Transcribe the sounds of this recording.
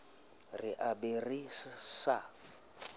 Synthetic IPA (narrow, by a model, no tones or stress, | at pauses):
rɪʔaberisa